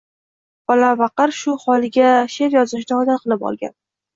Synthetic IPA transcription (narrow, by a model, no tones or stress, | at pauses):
bɒlavɑqɨɾʃʊhɒlɪɡʲaʃe̞ɾjɒzɪʃ̬nɪɒd̪at̪̚qʰɨlˠɪpɒ̰lˠɡʲa̰n